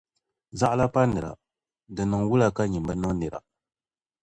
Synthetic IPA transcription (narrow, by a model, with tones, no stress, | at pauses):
za˦ʔla˦pa˦nɨ˨ɾa̰˨ | dɨ˨nɨ˨ŋwu˦la˨ka˦ɲi˨mba˦nɨ˦ŋne˨ɾa̰˨